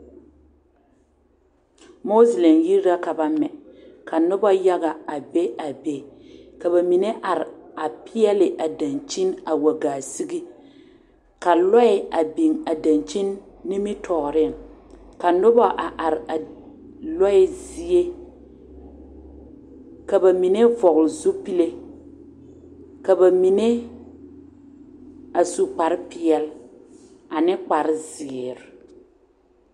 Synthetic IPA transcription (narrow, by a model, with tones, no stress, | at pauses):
mo˦slɛ˨mji˦ɾɾa˦ka˨ba˦mɛ˨ka˨nʊ˦ba˦ja˦ɡa˨a˨be˦a˨be˨ka˨ba˨mi˨ne˦ʔa˨ɾɪ˨a˨pʰɪ˦ɛ˦lɪ˨ʔa˨da˨nt͡ʃi˦na˨wa˨ɡaː˨si˦ɡi˦ | ka˨lɔ˦ɪ˨a˨bi˨ŋa˨da˨nt͡ʃi˦nː | i˦mɪ˦tʰɔː˨ɾɪ˦a˨ŋka˨nʊ˦ba˦ʔa˨ʔa˨ɾɪ˨a˨ | lɔ˦ɪ˦zi˦e˦ | ka˨ba˨mi˨ne˦vɔ˨ɣlɪ˨zo˦pi˦le˦ | ka˨ba˨mi˨ne˦ | a˨su˦k͡pa˨ɾɪ˦pɪ˦ɛ˨l | a˨nɪ˦k͡pa˨ɾɪ˦zɪ˨ɪ˨ɾɪ˨